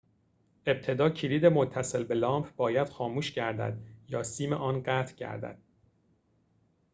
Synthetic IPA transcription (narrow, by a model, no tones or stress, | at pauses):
ʔe̞b̚t̪ʰe̞d̪ɒːcʰiliːd̪e̞mot̪ʰːæse̞lbe̞lɒːmpʰbɒːjæd̪̥xɒːmuːʃcʰæɾd̪æ̰d̪̚jɒːsiːmeʔɒːnɢæːt̪ʰcʰæ̰ɾd̪æ̰d̪̥